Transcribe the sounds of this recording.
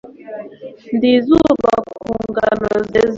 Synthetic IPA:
ndizuba̰kuŋɡanɔzɛz

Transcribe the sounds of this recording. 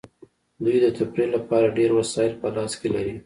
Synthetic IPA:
d̪ujd̪ət̪apɾilapɑɾaɖeɾwasɑɪlpəlɑskelaɾi

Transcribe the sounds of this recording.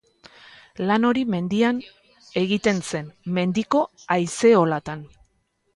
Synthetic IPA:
lano̞ɾime̞nd̪ian | e̞ɣit̪e̞nse̞nme̞nd̪iko̞ajse̞o̞lat̪an

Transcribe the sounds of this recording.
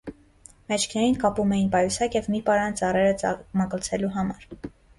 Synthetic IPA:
mɛt͡ʃʰkʰnɛjinkɑpumɛjinpɑjusɑkjɛvmipɑɾɑnt͡sɑrɛɾət͡sməkəlt͡sʰɛluɦɑmɑɾ

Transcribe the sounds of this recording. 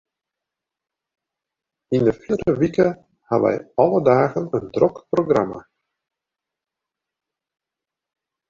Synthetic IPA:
ɪnəfiɾəʋikə | haʋɛ̰jɑlədaːɣənəndrɔkproɡra̰ma̰

